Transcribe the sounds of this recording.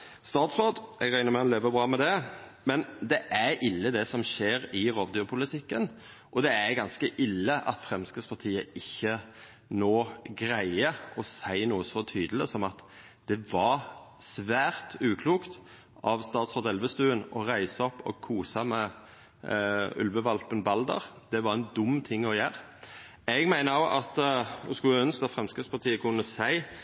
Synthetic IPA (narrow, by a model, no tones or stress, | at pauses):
st̪ɑːt̪sʁoːd̪ʔɛɡʁæɪnəmɛnleːʋəbɾɑːmɛd̪ɛ | mɛnd̪ɛʔæɾʔɪlːəd̪ɛsɔmʃeːɾɪʁoːʋd̪ʏːpʰʊlɪt̪ʰɪkːən | ʔɔd̪ɛæɾɡɑnskəʔɪlːəʔɑt̪fʁɛmskəspʰɑt̪ʰiːəɪçːə | noːɡɾæɪəɔsæɪnuːəsɔt̪ʰyːd̪ələsɔmɑt̪ | d̪̥ɛʋɑsʋæːɾt̪ʉːkʰluːkt̪ | ʔɑʋst̪ɑːt̪sɔːʁd̪ɛlʋəst̪ʉːənɔʁæɪsɑɔpːɔ̰kʰuːsɑmɛ | ʉ̰lʋəʋɑlpənbɑld̪ə̰ɾ | d̪̥ɛʋɑɾɛnd̪ʊmːt̪ʰɪŋːɔjæːɾ | ɛɡmæɪnəoʔɑt̪ʊskʉləœnskɑt̪fʁɛmskəspʰɑʁt̪ʰiːəkʰʉnːəsæɪ